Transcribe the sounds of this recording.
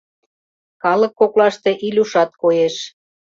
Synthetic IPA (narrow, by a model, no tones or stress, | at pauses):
kɑlə̆kːoklɑʃt̪e̽ʔilʲuʃɑt̪̚kojeʃ